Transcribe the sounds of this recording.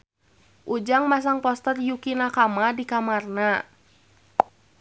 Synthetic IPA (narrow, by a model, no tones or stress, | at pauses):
ʔud͡ʒaŋmas̬aŋpɔst̪ərjukinakamadikamarna